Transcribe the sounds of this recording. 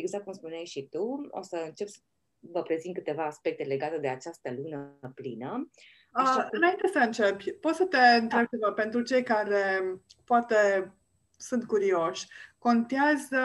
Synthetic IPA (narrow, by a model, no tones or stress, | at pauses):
eɡzak̪̚kumspuneajʃit̪uo̰səɨnt͡ʃe̞psə | vəpɾe̞zint̪̚kɨt̪e̞vaːspe̞k̚t̪e̞le̞ɡat̪e̞d̪e̞at͡ʃast̪əlunəplinə | əɨnaint̪e̞səɨnt͡ʃe̞bʲpo̞t̪sət̪e̞ɨnt̪ɾe̞b̚t͡ʃe̞vape̞nt̪ɾut͡ʃe̞jkaɾe̞poat̪e̞ | sunt̪̚kuɾio̞ʃʲko̞nt̪iaz